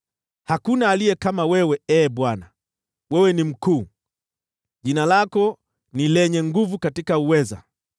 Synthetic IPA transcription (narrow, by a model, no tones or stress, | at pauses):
hakunaːlijɛkamawɛwɛɛːɓwana | wɛwɛnim̩kuː | ʄinalakɔ | nilɛɲɛŋɡuvukatikauwɛza̰